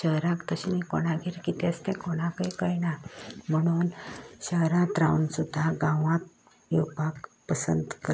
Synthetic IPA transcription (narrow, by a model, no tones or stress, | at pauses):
ɕəɦɾãkt̪əɕinikoɽ̃ãɡʱiɾkit̪est̪ẽkoɽ̃ãkəjkəjnam̤əɽ̃uːnɕəɦɾãt̪ɾawnsud̪ʱːaɡãʋãt̪̚ | ewpakpəsə̰nt̪kə